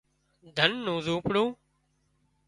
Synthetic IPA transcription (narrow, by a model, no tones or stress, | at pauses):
d̪ʱənːũːzuːpɽũː